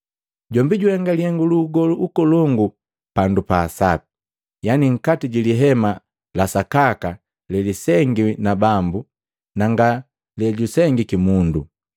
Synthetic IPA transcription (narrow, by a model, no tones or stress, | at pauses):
ɟɔmbiɟuɛŋɡaliɛŋɡuluɡɔluʔukɔlɔŋɡu | pandupaːsapi̥ | janiŋ̩katiɟiliɦɛma | lasakaka | lɛlisɛŋɡinabambu | naŋɡa | lɛɟusɛŋɡikimundṵ